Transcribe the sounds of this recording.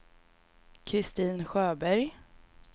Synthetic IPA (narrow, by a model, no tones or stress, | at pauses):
kʰɾɪst̪iːnɧøːbæɾj